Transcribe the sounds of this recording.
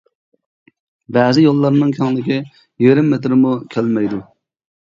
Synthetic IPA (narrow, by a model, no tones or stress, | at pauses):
bɛzɪjolˠːɑɾnɨŋkʲʰɛŋlˠɪkʲi | jeɾɪmːet̪ɾɪmukʲʰælmɛjd̪u